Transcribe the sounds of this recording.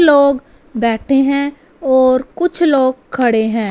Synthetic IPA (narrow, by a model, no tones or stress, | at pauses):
loːɡ | bɛːʈʰeɦɛ̃ | ɔːɾkʊt͡ʃʰloːɡ̚kʰɐɽeɦɛ̃ː